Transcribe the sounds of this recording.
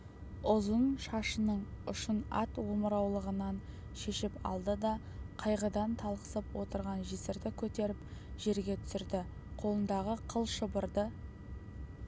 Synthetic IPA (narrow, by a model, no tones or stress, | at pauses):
ʊzənʃɑʃənəɴʊʃənɑ̰t̪woməɾɑwlˠəʁənɑn | ʃe̞ʃɪpɑ̰lˠd̪əd̪ɑ | qʰɑjʁəd̪ɑnt̪ʰɑlˠqə̥səpwo̞t̪əɾʁɑnʒisɪɾd̪ɪkʲʰɵt̪e̞ɾɪpʒ̥e̞ɾɡʲe̞t̪ʰʏ̥sɪɾd̪ɪ | qʰo̞lˠənd̪ɑʁəqʰəlˠʃəbəɾd̪ə